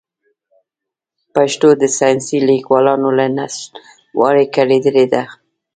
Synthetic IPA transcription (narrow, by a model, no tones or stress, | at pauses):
paʃt̪od̪əsɑjnsilikwɑlɑnolanasl | wɑ̰ɾekaɽed̪əled̪a